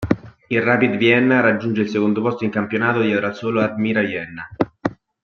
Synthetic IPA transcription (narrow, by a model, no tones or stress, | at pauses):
ilrapid̪vjɛnːaɾad͡ʒːund͡ʒeilsekond̪opɔst̪oiŋkampjonaːt̪od̪ioɾasoːload̪miːɾavjɛnːa